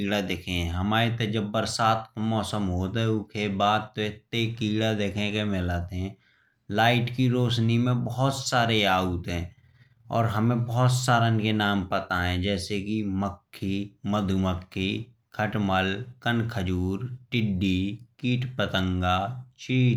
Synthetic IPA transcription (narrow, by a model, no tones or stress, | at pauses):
iɽad̪eːkʰẽɦɛ̃ɦəmaːɾet̪əd͡ʒəbːəɾsaːt̪ʰmɔːsəmɦoːt̪ɦɛ̃ʊkʰebaːd̪̚t̪oɪt̪ːekiːɡɽad̪eːkʰẽkemɪlaːt̪eɦɛ̃ | laːɪʈkiɾoːʃnimẽbəɦt̪saːɾeaːut̪ɦɛ̃ː | ɔ̰ːɾɦəmẽbɔɦɔt̪saːɾaɪnkenaːmpət̪aɦɛ̃d͡ʒɛːsekiməkʰːiməd̪ʱuməkʰːi | kʰəʈməlkənkʰəd͡ʒuːɾʈɪɖːikiːʈpət̪ə̃ŋɡat͡ʃʰiː